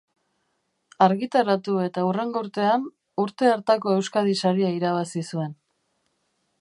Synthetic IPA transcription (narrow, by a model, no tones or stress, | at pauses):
aɾɣit̪aɾat̪ue̞t̪aure̞ŋɡouɾt̪e̞an | uɾt̪e̞aɾt̪ako̞e̞wskaðisaɾiaiɾaβasisue̞n